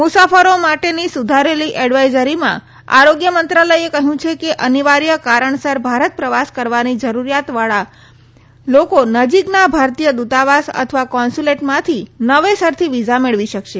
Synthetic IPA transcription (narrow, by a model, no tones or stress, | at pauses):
musafəɾomaʈenisud̪ʱaɾeliʔɛɽʋajzəɾimã̰ | a̰ɾoɡjəmənt̪ɾaləjekəɦjũt͡ʃʰekeʔəniʋaɾjəkaɾəɳsəɾbʱaɾət̪̚pɾəʋaskəɾʋanid͡ʒəɾuɾijat̪ʋaɭa | lokonəd͡ʒiknabʱaɾt̪ijəd̪ut̪aʋasə̰t̪ʰəʋakɔnsuleʈmãt̪ʰinəʋesəɾt̪ʰiʋid͡ʒameɭʋiʃəkʃe